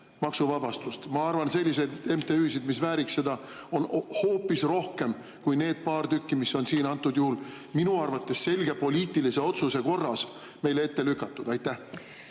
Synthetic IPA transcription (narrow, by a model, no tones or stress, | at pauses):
mɑksuvɑbɑst̪ust̪mɑɑrvɑnse̞lʲːis̬e̞d̪e̞mt̪eyːsid̪misvæːɾikse̞d̪ɑ | o̞nho̞ːpːˑisro̞hke̞m | kujne̞ːd̪̥̚pɑːrt̪ykːimisːo̞nsiːnɑnt̪ːˑud̪̥juhul | minuɑrvɑt̪ːˑe̞sse̞lʲɡ̥e̞po̞lʲiːt̪ːˑilise̞o̞t̪suse̞ko̞rːɑs | me̞jlee̞t̪ːe̞lykːˑɑt̪ːˑud̪̥ɑjt̪ːˑæh